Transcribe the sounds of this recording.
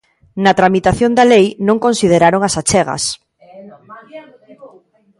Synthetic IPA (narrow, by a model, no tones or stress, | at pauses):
nɐt̪ɾamit̪aθjond̪ɐlejnõŋkonsið̞eɾaɾoŋasat͡ʃɛɣɐ̰s